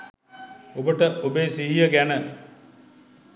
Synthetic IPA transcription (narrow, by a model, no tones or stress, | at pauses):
obəʈəʔobeːsiɦijəɡænə